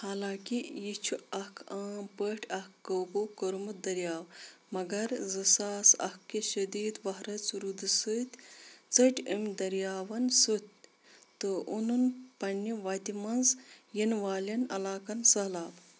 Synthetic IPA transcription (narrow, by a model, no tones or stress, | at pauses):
haːlaːkijit͡ʃʰuɐkʰaːmpəʈʰɐhkːəwbokɐɾmud̪ɐɾjaːwmɐɡɐɾzɐsaːsɐ̰hkːiʃɐd̪iːd̪ʋɐɦɾɐt͡sɾud̪ɨsɨt̪ʲt͡səʈʲʰəmʲd̪ɐɾijaːʋɐnsut̪̚ʲ | t̪ɨʔununpɐɳːiʋat̪ʲimɐnzjinʋaːlɐnɐ̰laːkɐnsɐɦlaːb